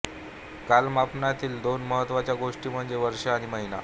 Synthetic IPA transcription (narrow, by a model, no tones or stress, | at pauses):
kalmapnat̪iːld̪onməɦət̪ːʋat͡ɕjaɡoʂʈiːm̤əɳd͡zeʋəɾʂaːɽ̃iməɦina